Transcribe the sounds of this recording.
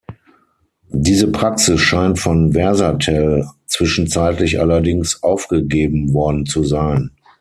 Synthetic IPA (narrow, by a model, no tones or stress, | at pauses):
diːzəpʁ̥aksɪsʃaɪntfɔnvɛɐzatʰɛlt͡sv̥ɪʃn̩t͡saɪtlɪçʔa̰lɐdɪŋsʔaʊfɡ̥əɡeːbm̩vɔɐdn̩t͡suzaɪn